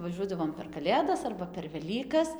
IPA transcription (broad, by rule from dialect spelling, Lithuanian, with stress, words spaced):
ʋɐˈʒʲuɔdɐʋoːm pʲɛr kɐˈlʲeːdɐs ɐrbɐ pʲɛr ʋʲɛˈlʲiːkɐs